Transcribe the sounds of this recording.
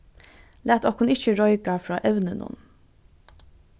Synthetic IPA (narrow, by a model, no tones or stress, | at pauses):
læːt̪ɔkhʊnɪçəɹɔʏkɑfɹɑːʔɛʋnənʊ̰n